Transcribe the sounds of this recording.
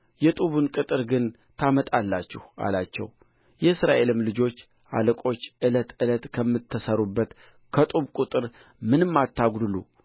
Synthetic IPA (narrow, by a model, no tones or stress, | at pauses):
jɛt̪ʼuβunkʼɨt̪ʼɨɾɡɨn | t̪ʰamət̪ʼalːat͡ʃːɪha̰lat͡ʃːɛ̰w | jɛɨsɾaʔe̞lɨmlɨd͡ʒo̞t͡ʃː | ʔa̰ləkʼo̞t͡ʃːʔɨlət̪ɨlət̪kʰəmːɨt̪ʰːəsəɾubːət̪ | kʰət̪ʼuβkʷʼut̪ʼɨɾ | mɨnɨmːat̪ːaɡd̪ɨlṵ